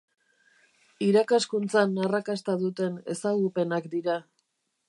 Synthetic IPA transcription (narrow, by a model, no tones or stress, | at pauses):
iɾakaskunt͡sanarakast̪aðut̪e̞ne̞̰saɣupe̞nakd̪iɾa